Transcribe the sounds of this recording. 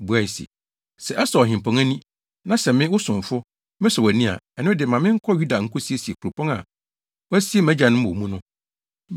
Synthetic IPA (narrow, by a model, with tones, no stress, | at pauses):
bu˨˦a˨i˨sḭ˨ | sɛ˨ʔɛ˦sɔ˨ɔ˨ɦɪ̃˨m˨pʰɔ̃˨ŋæ˦nĩ˦ | nã˦sɛ˨mɪ̃˦wʊ˦sʊ̃˨ɱ˨fʊ˦ | mɪ̃˦sɔ˨wæ˨nĩ˦a̰˨ɛ˨nɪ̃˦dɪ˨mã˨mɪ̃˦ŋ̩˦kʰɔ˦ju˦da˨ŋ̩˦kʰʊ˦si˦e˦˨si˨e˨kʰu˨ɾu˨pʰɔ̃˦ŋa̰˨ | wɔ˦æ˦si˦e˦mæ̃˦d͡ʑa˨nʊ̃˦m˦o˨mũ˦nʊ̃˦